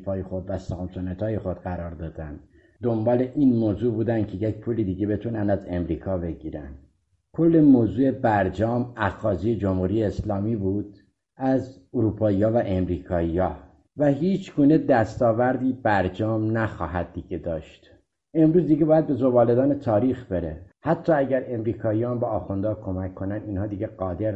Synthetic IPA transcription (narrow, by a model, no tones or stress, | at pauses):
fɒːjexo̞d̪væsæmsonet̪ʰɒːjexo̞d̪ɢæɾɒːɾd̪ɒːd̪ænd̪ | d̪o̞mbɒːle̞ʔiːnmoːzuːbuːd̪ænd̪̚cʰe̞jecpʰuːlid̪iːɟe̞be̞t̪ʰuːnænd̪æze̞mɾiːkʰɒːbe̞ɟiːɾæ̰nd̪ | kʰo̞lːe̞moːzuːe̞bæɾd͡ʒɒːmæxɒːziːjed͡ʒomhuːɾijeːslɒːmiːbuːd̪̥ | æzoɾuːpʰɒːijɒːvæʔemɾiːkʰɒːijɒː | væɦiːt͡ʃʰɡuːne̞d̪æst̪ɒːvæɾd̪iːbæɾd͡ʒɒːmnæxɒːɦæd̪̚ːiːɟed̪ɒːʃt̪ | ʔe̞mɾuːzd̪iːɡɟe̞bɒːjæd̪̚be̞zobɒːle̞d̪ɒːnet̪ʰɒːɾiːxb̥e̞ɾḛhæt̪ʰːɒːæɟæɾe̞mɾiːkʰɒːijɑːnbɒːxond̪ɒːkʰo̞mækʰːo̞næniːnhɒːd̪iːɟeɡɒːd̪eɾ